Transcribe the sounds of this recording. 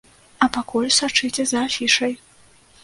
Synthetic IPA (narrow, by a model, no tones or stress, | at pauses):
ɐpakulʲsat͡ʂɨt͡sʲɛzɐːfʲiʂɐj